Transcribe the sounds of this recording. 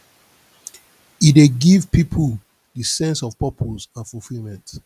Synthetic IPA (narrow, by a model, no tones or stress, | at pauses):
ideɡivpipʰul | dəsɛ̃nsɔvpɔpʰozãnfulfilmɛ̃nt